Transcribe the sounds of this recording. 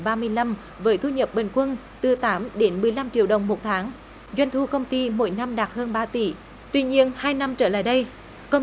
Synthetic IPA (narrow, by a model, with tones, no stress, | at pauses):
ɓaː˧mɨ˧əjla˧m | vəː˨˦jt̪ʰu˧ɲə˨˩p̚ɓe˨˩ŋ̟kwə˧n | t̪ɨ˨˩t̪aː˨˦mɗe˨˦nmɨ˨˩əjla˧mt͡ɕḭ˧˨əwɗə˨˩wŋ͡mmo˨˩t̚t̪ʰaː˨˦ŋ | zwa˧jŋ̟t̪ʰu˧kə˧wŋ͡mt̪i˧mo̰˧˥˦jna˧mɗaː˨˩t̚həː˧nɓaː˧t̪i˧˩ | t̪wi˧ɲi˧ənhaː˧jna˧mt͡ɕəː˧˩la̰ː˧˨jɗə˧j | kə˧w